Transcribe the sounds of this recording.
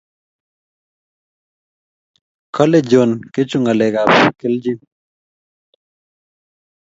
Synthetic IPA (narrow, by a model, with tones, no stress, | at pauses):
kʰɔ˦le˦˨d͡ʒo˨nke˦t͡ʃu˦ŋa˨le˨ɡa˨pke˦ld͡ʒi˦